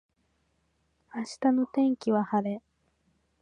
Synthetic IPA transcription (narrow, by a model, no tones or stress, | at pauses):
aɕi̥t̪ano̞t̪ẽ̞ŋkʲiβahaɾe̞